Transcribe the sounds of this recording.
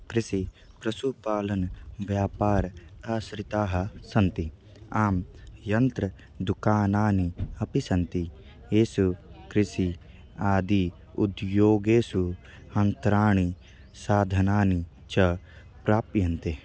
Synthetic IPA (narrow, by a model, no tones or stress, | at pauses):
kɾɪsi | pɾɐsupaːlɐnʋjaːpaːɾɐsɾit̪aːɦɐsɐnt̪i | aːmjɐnt̪ɾɐ | d̪ukaːnaːniɐpisɐnt̪i | eːsukɾɪsi | aːd̪i | ud̪joːɡeːsu | ɐnt̪ɾaːɳ̃i | saːd̪ʱɐnaːni | t͡ʃɐ | pɾaːpjɐnt̪e